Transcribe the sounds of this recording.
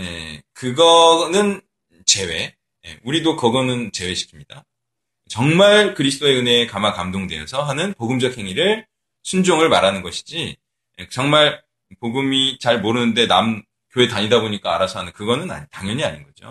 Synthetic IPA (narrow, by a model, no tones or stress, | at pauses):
ne̞̰kɯɡʌnɯn | t͡ɕe̞we̞ | je̞̰uɾidokʌɡʌnɯnt͡ɕe̞we̞ɕʰi̥kʰimɲida | t͡ɕʌŋmaɭkɯɾisʰt͈ʰoe̞ɯne̞kamakamdoŋde̞jʌsʰʌɦanɯnpoɡɯmd͡ʑʌk̚he̞ŋiɾɯɭ | sʰund͡ʑoŋɯɭmaɾanɯnɡʌɕʰi̥d͡ʑi | jet͡ɕʌŋmaɭ | poɡɯmit͡ɕaɭmoɾɯnɯnde̞nam | kjoe̞taɲidaboɲik͈aːɾasʰʌanɯnkɯɡʌnɯna̰taŋjʌɲiaɲinɡʌd͡ʑo̰